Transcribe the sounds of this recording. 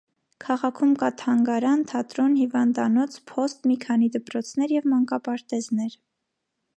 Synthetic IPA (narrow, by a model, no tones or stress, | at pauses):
kʰɑʁɑkʰumkɑt̪ʰɑŋɡɑɾɑnt̪ʰɑt̪ɾɔnhivɑnd̪ɑnɔt͡sʰpʰɔst̪mikʰɑnid̪əpɾɔt͡sʰnɛɾjɛvmɑŋkɑpɑɾt̪ɛznɛɾ